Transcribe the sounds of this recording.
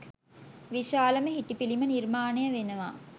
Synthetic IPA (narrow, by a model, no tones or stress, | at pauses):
ʋiʃaːləməɦiʈipilimənirmaːnejəʋenəʋa̰